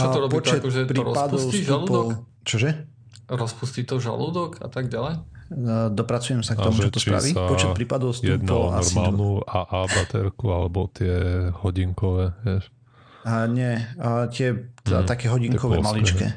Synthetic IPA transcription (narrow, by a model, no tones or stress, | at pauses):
ɔɾɔbpiɔt͡ʃɛt̪ʒɛpɾiːɾɔpad̪ɔsʊstulupd̪l | t͡ʃɔʒɛ | ɾɔspuscit̪ɔʒa̰luːd̪ɔka̰t̪aɡɟalɛj | d̪ɔpɾat͡sujɛmsakt̪ɔmut͡ʃɛt̪ɔsɾa̰ʋipɔt͡ʃɛpɾiːpad̪ɔʊstjɛd̪nɔ̰la̰ɾmanuaʔabat̪ɛɾkualɛbɔt̪ɪɛhɔɟiŋkɔʋɛjɛʃ | ɲɛt̪ɪɛt̪ɛat̪akɛːɦɔɟiŋkɔʋɛmalit͡ʃkɛ̰ː